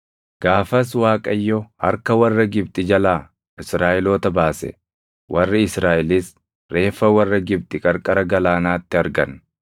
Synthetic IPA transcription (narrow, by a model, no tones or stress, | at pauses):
ɡ̥aːfɐs̬waːkʼɐjːɔhɐ̰ɾkɐwɐrːɐɡɪbt̪ʼɪd͡ʒɐlaː | ʔɪsɾaːʔɪloːt̪ɐbaːsɛ̰ | wʔɐrːɪɪsɾaːʔɪlis | ɾe̞ːfːɐwɐrːɐɡɪbt̪ʼɪkʼɐɾkʼɐɾɐɡɐlaːnaːt̪ːɪɐɾɡɐ̰n